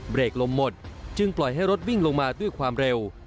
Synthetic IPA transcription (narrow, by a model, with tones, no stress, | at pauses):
bɾeː˨˩k̚lo˧mːo˨˩t̪̚t͡ɕɯ˧ŋplɔ˨˩jɦa˥˩jɾo˦˥t̪̚wi˥˩ŋlo˧ŋmaː˧du˥˩əjkʰwaː˧mɾe˧w